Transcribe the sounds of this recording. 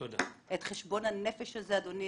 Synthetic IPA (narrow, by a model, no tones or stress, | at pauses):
odetχeʃbo̞nhanefeʃhazead̪o̞ni